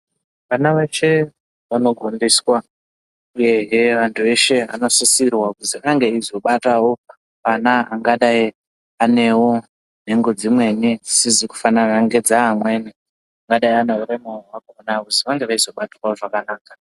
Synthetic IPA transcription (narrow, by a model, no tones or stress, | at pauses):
ʋanaʋe̞t͡ʃe̞ | ʋano̞ɡʱondiswa | uje̞ɦeʋantʰue̞ʃe̞a̰no̞sisirwakuziaŋɡe̞izo̞ɓatawo̞ | ʋanaaŋɡaɗai | ane̞wo̞ | n̤e̞ŋɡo̞d͡zimwe̞nid͡zisiziku̥fananaŋɡe̞d͡zaɦamwe̞ːni | aŋɡaɗaianeuɾemaowakoonakuziʋaŋɡe̞ʋaizo̞ɓatwaoʐakanaːkḁ